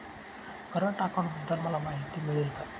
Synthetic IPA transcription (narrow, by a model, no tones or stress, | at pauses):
kəɾəɳʈakaɳbəd̪ːalməlamaɦit̪iːmiɭelk̪a